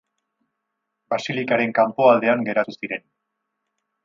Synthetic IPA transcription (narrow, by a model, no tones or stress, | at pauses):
basilikaɾe̞ŋkampo̞ald̪e̞aŋɡe̞ɾat̪usiɾe̞n